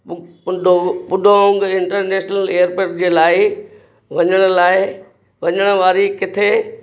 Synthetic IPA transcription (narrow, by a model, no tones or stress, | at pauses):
pʊopʊɗʱoʊ̃ŋɡɪ̃ɳʈəɾneːʃnəleːəɾpoːɾʈ̚d͡ʑeːlaːɪ | ʋɐɲəɽ̃ʊ̆laːɪ | ʋɐɲəɽ̃ʊʋaːɾikɪt̪ʰe